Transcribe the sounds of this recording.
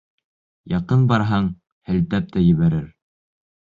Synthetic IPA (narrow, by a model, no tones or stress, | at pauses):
jɑqɤnbɑɾɦɑɴ | hɘ̆lt̪æp̚t̪æjɘ̆βæɾɘɾ